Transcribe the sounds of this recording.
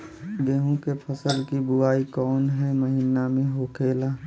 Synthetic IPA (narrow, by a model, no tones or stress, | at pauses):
ɡeɦõkepʰəsəlkibʊaːikɔːnɦɛməɦiːnamẽɦoːkʰeːlaː